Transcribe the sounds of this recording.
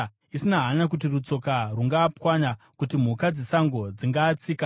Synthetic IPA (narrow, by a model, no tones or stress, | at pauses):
isinaɦanak̬ut̬irut͡so̞karuŋɡaːpwaɲa | kutim̤ukad͡zisaŋɡo̞d͡ziŋɡaːt͡siːka